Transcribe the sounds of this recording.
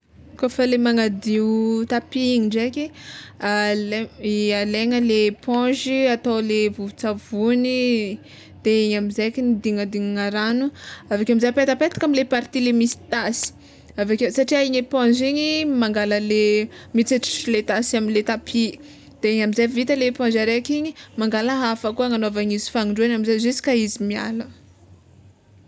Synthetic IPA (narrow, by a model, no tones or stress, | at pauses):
kofəlemaŋad̪iut̪apiiɲiɳɖ͡ʐekʲialaleŋəlepɔ̃ʒiat̪awlevuvut͡savuni | d̪̥eeɲamizejkʲinid̪iŋad̪iŋaŋaɾanuavakʲamizajpet̪apet̪ḁkamilepaɾt̪ilemisi̥t̪asi̥ | avakʲosaʈ͡ʂiaiɲepɔ̃ziɲimaŋɡaləlemit͡siʈ͡ʂi̥ʈ͡ʂilet̪asaminlet̪apʰi | d̪̥eeɲamizavit̪əlepɔ̃zaɾekiɲimaŋɡaləɦafəkuaŋanoavaɲizi̥faŋiɳɖ͡ʐuanamizazisi̥kaizimia̰lə